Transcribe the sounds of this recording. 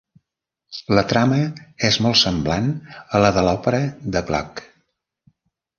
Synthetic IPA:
lət̪ɾaməezmɔlˠsəmblanələðəlɔpəɾəðəβla̰k

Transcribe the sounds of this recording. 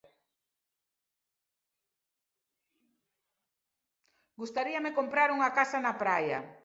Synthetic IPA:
ɡust̪aɾiɐmɪkompɾaɾuŋɐkasanapɾajɐ̰

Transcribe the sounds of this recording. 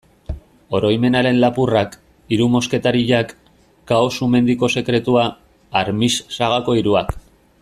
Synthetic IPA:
o̞ɾo̞jme̞naɾe̞nlapurak | iɾumo̞ske̞t̪aɾiʎakː | aosume̞nd̪iko̞se̞kɾe̞t̪uaː | ɾmissaɣako̞iɾuak

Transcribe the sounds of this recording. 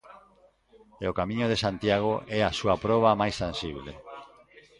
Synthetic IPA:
eokamĩɲoðesant̪jaɣ̞oʔɛasuapɾɔβ̞amajst̪ãnsiβ̞lḛ

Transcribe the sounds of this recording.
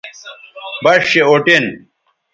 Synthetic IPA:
bɐʂɕeoʈin

